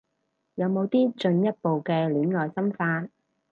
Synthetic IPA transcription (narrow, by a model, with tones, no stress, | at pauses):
jɐ˨˧wmo˨˧wt̪iː˥t͡ʃɵ˧njɐ˥t̚po˨wkɛː˧liː˨˥nŋɔː˨jsɐ˥mfaː˧n